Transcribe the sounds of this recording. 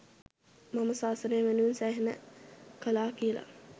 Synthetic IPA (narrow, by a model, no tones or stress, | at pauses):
maməsaːsənejʋenuʋinsæːɦenə̰kəlaːkijəla̰